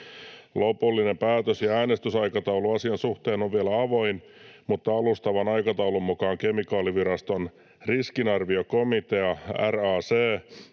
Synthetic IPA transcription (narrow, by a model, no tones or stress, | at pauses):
lo̞pulːine̞mpæːt̪øsjɑæːnest̪ysɑjkɑt̪ɑuluɑsiɑnsuht̪eːno̞ʋʋielæɑʋo̞in | mut̪ːɑɑlust̪ɑʋɑnɑjkɑt̪ɑwlumːukɑːŋke̞mikɑːliʋiɾɑst̪on | riskinɑrʋioko̞mit̪e̞ɑæ̰rɑːseː